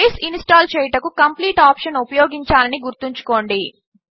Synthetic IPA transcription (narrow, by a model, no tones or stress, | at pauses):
sinsʈaːlt͡ʃɛːjʈɐkukɐmpliːʈaːpʂɐnupɐjoːɡiɲt͡ʃaːlɐniɡuɾt̪iɲt͡ʃu̥ko̞ːɳɖi